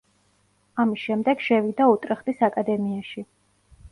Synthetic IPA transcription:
amisʃɛmd̪ɛɡ̥ʃɛvid̪aut̪ʼɾɛχd̪isakʼad̪ɛmiaʃi

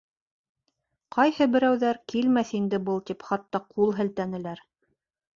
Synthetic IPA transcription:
qɑjhɤbɘ̆ɾæwðæɾkilmæθind̪ɘbɤlˠt̪ipχɑt̪ːɑqʰulˠɦɘ̆lt̪ænɘ̆læɾ

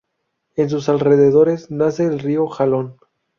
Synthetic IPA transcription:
e̞ns̬usalreðeð̞o̞ɾe̞znaseːlrioxalon

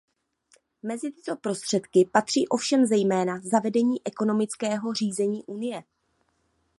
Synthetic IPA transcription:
mɛzɪt̪ɪ̥t̪o̞pɾo̞st̪r̥ɛt̪kɪpat̪r̝̥iːʔo̞fʃɛmzɛjmɛːnazavɛdɛɲiːʔɛko̞no̞mɪt͡skɛːɦo̞r̝iːzɛɲiːʔunɪjɛ

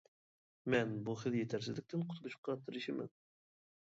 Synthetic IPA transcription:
mɛnbuχɪðjet̪ʰæɾsɪzlɪk̚ʲt̪ʰɪnqʰʊ̥t̪ʰuluʃqɑt̪ʰːɨɾɨʃɪmɪ̰n

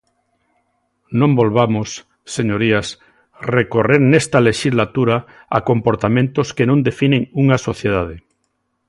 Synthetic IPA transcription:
nõmbolβamosː | eɲoɾias | rekoreɾnest̪aleʃizlat̪uɾa | a̰kompoɾt̪amẽnt̪oskenõnd̪efinẽŋuŋasoθjeð̞að̞e

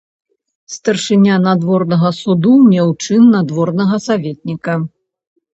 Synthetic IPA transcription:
st̪ɐrʂɨnʲanad̪vɔrnɐɣɐsud̪umʲɛwt͡ʂɨnːad̪vɔrnɐɣɐsavʲet̪̚ʲnʲikɐ

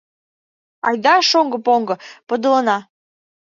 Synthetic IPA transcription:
ɑ̰jd̪ɑʃoŋɡɤ̆poŋɡɤ̆pɤ̆d̪ə̆lənɑ

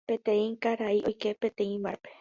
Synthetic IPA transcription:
pẽ̞t̪ẽĩkaɾaiʔojke̞pẽt̪ẽĩʋape

